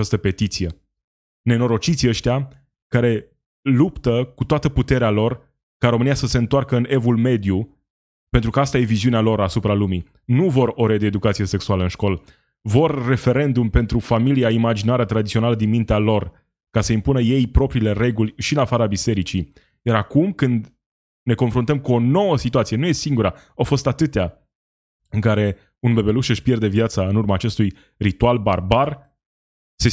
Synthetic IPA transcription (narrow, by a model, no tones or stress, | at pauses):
ast̪əpe̞t̪it̪sije̞ | ne̞no̞ɾo̞t͡ʃit̪sʲiəʃt̪ea | kaɾe̞ | lupt̪əkut̪oat̪əput̪e̞ɾealo̞r | kaɾo̞mɨnijasəse̞ɨnt̪oarkəɨne̞vulme̞d̪ju | pent̪ɾukəast̪aje̞viziunealo̞ɾasupɾalumi | nuvo̞ɾo̞ɾed̪eːd̪ukat̪sije̞se̞ksualəɨnʃko̞l | vo̞rːe̞fe̞ɾe̞nd̪umpe̞nt̪ɾufamiliaimad͡ʒinaɾət̪ɾad̪itsionaləd̪inmint̪ealo̞r | kasəimpunəje̞jpɾo̞pɾiːle̞re̞ɡulʲʃiɨnafaɾəabise̞ɾit͡ʃi | jaɾakumkɨnd̪ | ne̞ko̞nfɾunt̪əmkuo̞no̞wəsit̪uat̪sie̞nuje̞siŋɡuɾa | awfo̞st̪at̪ɨt̪ea | ɨŋkaɾe̞ | unbe̞be̞luʃɨʃpje̞rd̪e̞vjat̪saɨnurmaːt͡ʃe̞st̪uj | rit̪ualbarbar | se